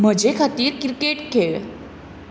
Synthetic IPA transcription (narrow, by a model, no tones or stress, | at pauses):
m̤əd͡ʑekʰat̪iːɾkɾikeʈkʰeɭ